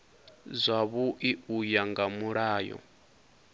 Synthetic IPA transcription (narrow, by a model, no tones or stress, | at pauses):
zʷaβuʔiujaŋɡamuɺaːjɔ̰